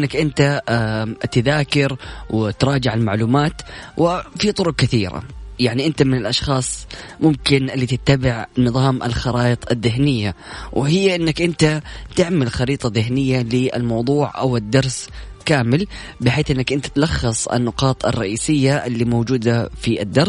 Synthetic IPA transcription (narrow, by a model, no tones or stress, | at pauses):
nːakʔɪnt̪a | t̪ɪðaːkɪɾwɪt̪ɾˤɑːd͡ʒɪʕalmaʕluːmaːt̪wɪfit̪ˤʊɾʊqkɪθiːɾa̰jaʕniʔɪnt̪amɪnɪlʔɑʃxɑːsˤmʊmkɪnʔɪlːiːt̪ɪt̪ːabɪʕnɨðˤɑːmʔɪ̰lxɑɾˤɑːʔɨt̪ˤɪðːɪɦnɪjːa | wʔɪɪjːaʔɪnːakʔɪnt̪at̪ɪʕmalxɑɾiːt̪ˤɑðɪɦnɪjːalɪʔɪ̰lmɑwðˤuːʕʔa̰wɪd̪ːɑɾˤskaːmɪl | bɪħeːθʔɪnːakʔɪnt̪ḁt̪lɑxːɑsˤɪ̰nːʊqɑːt̪ˤɑ̰rˤːɑʔiːsɪjːaʔɪlːimowd͡ʒuːd̪afiʔɪd̪ːɑɾˤ